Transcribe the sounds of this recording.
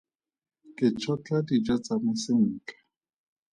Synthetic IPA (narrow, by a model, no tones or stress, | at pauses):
kʼɪt͡ʃʰɔt͡ɬʼadid͡ʒat͡samasɪŋ̩ːkḁ